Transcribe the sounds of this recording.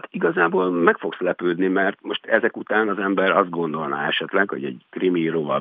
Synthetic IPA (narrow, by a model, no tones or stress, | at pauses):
t̪iɡɒzaːboːlmɛkfo̞kslɛpøːd̪nimɛrt̪mo̞ʃt̪ɛzɛkut̪aːnɒzɛmbɛɾɒzd̪̚ɡo̞n̪d̪o̞lna̰ɛʃɛt̪lɛɡho̞̰ɟɛ̰ɟkrimiɾoːvɒ̰